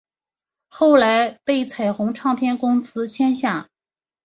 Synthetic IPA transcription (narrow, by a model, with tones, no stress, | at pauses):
xo˥˩ʊla˧˥ɪpe˥˩ɪt͡sʰa˨˩ɪxʊ˧˥ŋʈ͡ʂʰɑ˥˧ŋpʰjɛ˥˩nkʊ˥ŋsɹ̩˥t͡ɕʰjɛ˥nɕja˥˩